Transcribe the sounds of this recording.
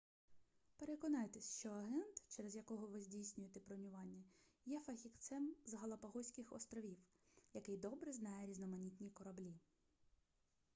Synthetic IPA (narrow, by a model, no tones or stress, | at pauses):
pe̞ɾekɔnɑjt̪esʲʃt͡ʃɔɐɦɛnt̪t͡ʃɛɾezjɐkɔɦɔʋɪzʲdʲijsʲnʲʊjet̪ɛpɾɔnʲʊʋɑnʲːɐ | jɛfɐxʲikt̪sɛmzɐɦɐlˠɐpɐɦɔsʲkɪxɔ̰st̪ɾɔʋʲiw | jɐkɪjd̪ɔbɾɛznɑjɛɾʲiznɔmɐnʲit̪ʲnʲikɔɾɐblʲi